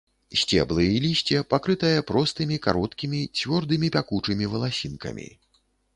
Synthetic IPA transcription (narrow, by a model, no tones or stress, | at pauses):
sʲt͡sʲɛ̰blˠɨjilʲisʲt͡sʲɛpakɾɨt̪ɐjɛpɾɔst̪ɨmʲika̰ɾɔt̪kʲimʲit͡sʲvʲɔrd̪ɨmʲipʲakut͡ʂɨmʲivɐlˠasʲinkɐ̰mʲḭ